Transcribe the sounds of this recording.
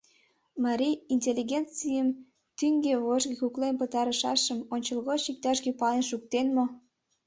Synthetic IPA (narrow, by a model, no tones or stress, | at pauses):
mɑɾʲiinʲtʲelːiɣʲent͡sijəm | t̪yŋɡeβoʒɣekuklenpət̪ɑɾəʃɑ̰ʃəmonʲt͡ɕəlɣot͡ɕik̚t̪ɑʃɡepɑlenʃuk̚t̪enmo